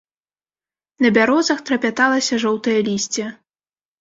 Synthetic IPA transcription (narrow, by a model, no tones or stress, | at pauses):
nɐbʲaɾɔzɐxt̪ɾɐpʲat̪alˠɐsʲɐʐɔwt̪ɐjɐlʲisʲt͡sʲɛ